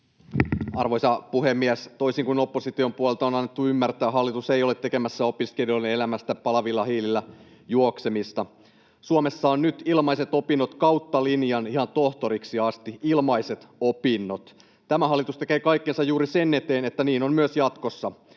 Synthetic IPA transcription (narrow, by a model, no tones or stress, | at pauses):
ɑrʋojsɑpuhemːiæst̪oisiŋkuno̞pːosit̪io̞mpuolelt̪ɑonɑnːet̪ːuymːært̪æːɦɑlːit̪usejolet̪ːe̞kemæsːæo̞piskelioleelæmæst̪æpɑlɑʋilːɑhiːlilːæ | juokse̞mist̪ɑ | suome̞sːɑonnyt̪ilmɑise̞t̪o̞pinːot̪kɑwt̪ːɑlinjɑnihɑnt̪o̞ht̪o̞ɾiksiɑst̪iilmɑise̞t̪opinːot̪ | t̪æmæɦɑlːit̪ust̪e̞kejkɑikːensɑjjuːɾise̞nːe̞t̪e̞ːnet̪ːæniːno̞mmyøsjɑt̪kosːɑ